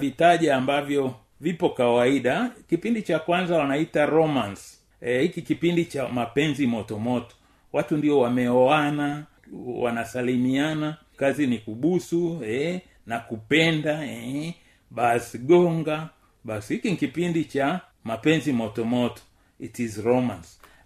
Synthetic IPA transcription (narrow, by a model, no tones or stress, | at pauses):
vitaʄaːmbavjɔ | vipɔkawaiɗakipindit͡ʃakwanzawanaitaɾɔmans | ɛhikikipindit͡ʃamapɛnzimɔtɔmɔtɔ̥ | watundiɔwamɛɔana | wa̰nasalimiana | kazinikuɓusuɛ | nakupɛndaɛ | ɓasɡɔŋɡa | ɓashikinikipindit͡ʃa | mapɛnzimɔtɔmɔtɔ̥ | itizɾɔmans